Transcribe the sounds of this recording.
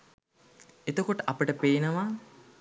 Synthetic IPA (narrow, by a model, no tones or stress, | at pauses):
et̪okoʈəʔɐpəʈəpeːnəʋaː